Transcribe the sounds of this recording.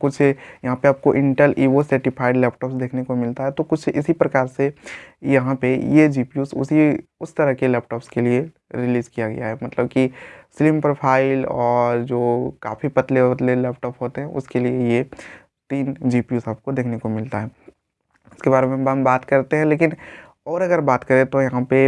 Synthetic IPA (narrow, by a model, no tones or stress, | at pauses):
kʊt͡ʃʰjɐɦãpeaːp̚koʔɪ̃ɳʈəlʔiːwosɛːʈɪpʰaːɪɖlɛːpʈɔːpsd̪eːkʰnekomɪlt̪aɦɛt̪okʊt͡ʃʰɪ̰sipɾɐkaːɾsejɐɦãpejed͡ʒiːpjuːsʊ̰siʊst̪ɐɾəɦkelɛːp̚ʈɔːpskelie | ɾɪliːzkijaɡɐ̰ja̰ɦɛmɐt̪ləb̚kisɪlɪmpɾoːpʰaːɪlɔːɾd͡ʒoːka̰ːfʰipɐt̪let̪lelɛːp̚ʈɔːpɦoːt̪eɦɛ̃ʔʊ̰skelieje | t̪iːnd͡ʒiːpijuːsaːp̚kod̪eːkʰnekomɪlt̪aɦɛː | ɪskebaːɾemebɦɐmbaːt̪kɐɾt̪eɦɛ̃leːkɪn | ɔːɾɐɡəɾbaːt̪kɐɾẽt̪ojɐɦãpe